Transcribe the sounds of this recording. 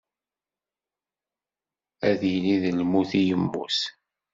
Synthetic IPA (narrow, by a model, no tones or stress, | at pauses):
æðniðəlmuθijəmːṵs